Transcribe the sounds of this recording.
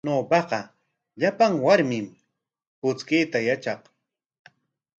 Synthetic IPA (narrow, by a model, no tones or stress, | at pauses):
noːpɑqɑ | ʎapaŋwaɾmɪm | pʊt͡skɪːt̪ajat͡ʃɑq